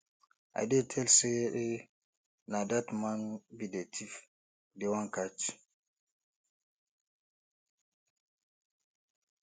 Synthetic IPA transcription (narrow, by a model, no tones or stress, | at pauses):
ʔa̰dɛtʰɛlsɛʔɛ | nadatmanubidɛtʰif | dɛwaŋkat͡ʃ